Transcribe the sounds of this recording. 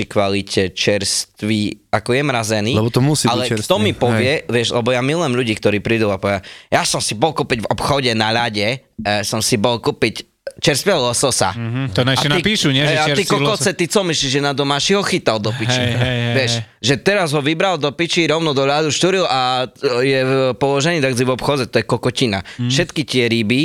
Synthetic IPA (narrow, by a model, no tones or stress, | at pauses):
ikʋalicʰɛt͡ʃɛɾst̪ʋiakɔjɛmɾazɛniːlɛɔt̪ɔmusialɛt̪ɔmipɔʋɪɛʋɪɛʒlɛbɔjamilʊjɛmʎuɟiːkt̪ɔɾiːpɾiːd̪uapɔʋɪajasɔmsibɔlkupiɟvɔpxɔɟɛnaʎaɟɛ | sɔmsibɔlkupic | t͡ʃɛɾst̪ʋɪɛlɔsɔsa̰t̪ɔnaanipiʃuɲɛɦɛaat̪ikɔkɔt͡sɛt̪it͡sɔmiʃt͡ʃiʒɛnad̪ɔmaːʃiɦɔxit̪ald̪ɔpit͡ʃiʋɛʃ | ʒɛt̪ɛɾazɦɔʋibɾald̪ɔpit͡ʃiɾɔʊnɔd̪ɔʎad̪uʃt̪uɾilajɛpɔlɔʒɛniːd̪aɡd͡zivɔpxɔd͡zɛt̪ɔjɛkɔkɔcina̰fʃɛt̪kit̪ɪɛɾibi